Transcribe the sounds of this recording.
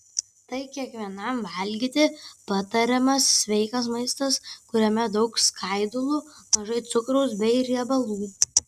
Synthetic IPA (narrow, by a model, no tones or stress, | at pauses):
t̪ɐɪkʲiɛkʋʲiɛnɐmʋɐlʲɡʲit̪ʲɪpɐt̪ɐɾʲɛmɐsːʲʋʲɛɪkɐs̬mɐɪst̪ɐskʊɾʲɛmʲɛd̪ɐʊkskʰɐɪd̪ʊlˠumɐʒɐɪt̪sʊkɾɐʊsbʲɛɪɾʲiɛbɐlˠuːj